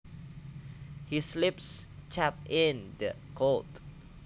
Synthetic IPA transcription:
hislɪpst͡ʃʰɛp̚ɪ̃ndə | kʰot

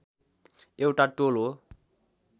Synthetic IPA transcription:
ewʈaʈolɦo

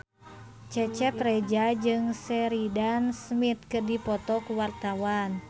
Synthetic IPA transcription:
t͡ʃɛt͡ʃɛt̪rɛd͡ʒad͡ʒɨŋsɛɾidansmit̪̚kɨrdipɔt̪ɔkuwart̪awan

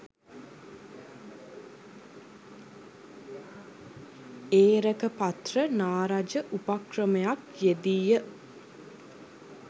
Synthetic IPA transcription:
eːɾəkəpat̪rənaːɾad͡ʒəʔupakrəməjakjed̪iːjə

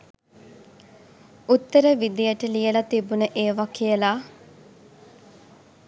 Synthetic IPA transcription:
ut̪ːəɾəʋid̪ijəʈəlijəlat̪ibunəʔeːʋakijəlaː

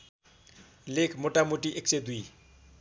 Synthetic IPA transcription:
lekʰmoʈamoʈiʔeksed̪ui

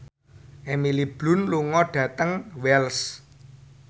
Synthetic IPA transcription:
ʔemilib̥lʊ̤nluŋɔɖ̥ä̤t̪əŋwɛls

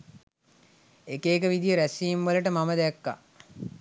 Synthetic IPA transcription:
ekeːkəʋid̪ijəɾæsiːmʋələʈəmaməd̪ækːa̰

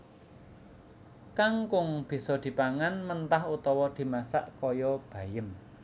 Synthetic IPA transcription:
kaŋkʊŋb̥i̤sɔd̪̥i̤paŋanmənt̪ahut̪ɔwɔd̪̥i̤masa̰ʔkɔjɔb̥ä̤jəm

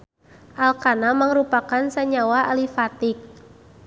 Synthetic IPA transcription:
ʔalkanaməŋɾupakansaɲawaalifat̪ik̚

